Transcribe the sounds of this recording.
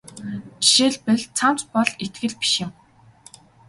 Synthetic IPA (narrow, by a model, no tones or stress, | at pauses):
t͡ɕi̥ʃeːɮpɘ̆ɮt͡sʰam̥t͡spɔɮet̪ɡɘ̆ɮpi̥ʃɪ̆m